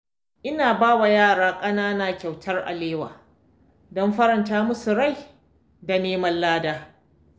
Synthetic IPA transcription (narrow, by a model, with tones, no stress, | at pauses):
ʔɪ˦naː˨baː˦wa˨jaː˦˨ɽaː˦kʼɐ˦naː˦naː˦kʲa˨wtʰɐ˦rʔa̰˨leː˦wa̰ː˨ | dɔ˦mɸɐ˦ɾɐ˨ntaː˦mʊ˦su˨ɽa˦˨j | da˨neː˦mɐ˦lːlaː˦daː˦